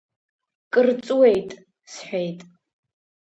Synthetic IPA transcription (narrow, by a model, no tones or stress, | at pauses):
kʼɨrt͡sʼuwejtʼ | sħʷᶣejtʼ